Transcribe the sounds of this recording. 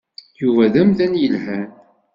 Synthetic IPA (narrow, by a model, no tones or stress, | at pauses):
juvæðæmðænjəlhæn